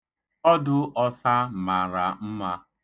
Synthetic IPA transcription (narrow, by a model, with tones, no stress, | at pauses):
ɔ˦dʊ˦ʔɔ˦sa˦˨ma˨ɾa˨m̩˦ma˦